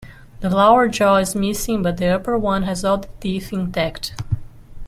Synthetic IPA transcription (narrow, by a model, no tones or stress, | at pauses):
ðəlawə˞d͡ʒɔɪzmɪsɪ̃ŋbʌt̪̚ðiʌpə˞wʌ̃nɛzɔlˠðət̪iθɪ̃ntɛkt